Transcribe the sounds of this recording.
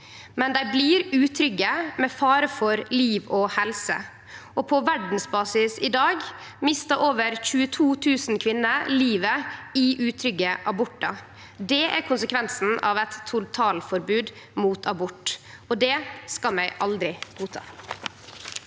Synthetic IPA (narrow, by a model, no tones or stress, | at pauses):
mɛnd̪æɪbliːɾʉːt̪ʰɾʏɡːəmɛfɑːɾəfɔɾliːʋɔhɛlsə̰ | ɔpʰɔʋæɖn̩sbɑːsɪsɪd̪ɑːɡ | mɪst̪ɑʔoːʋəɾçʉːət̪ʰuːt̪ʰʉːsnkʰʋɪnːəliːʋəɪʔʉːt̪ʰɾʏɡːəʔɑbʊʈːɑ | d̪ɛæɾkʰʊnsəkʰʋɛnsn̩ɑ̰ʋɛt̪ʰːʊlt̪ʰɑːlfɔɾbʉːd̪ | muːt̪ʰɑbʊʈː | ɔd̪ɛskɑmæɪʔɑld̪ɾɪɡ̥uːt̪ʰɑ̰ː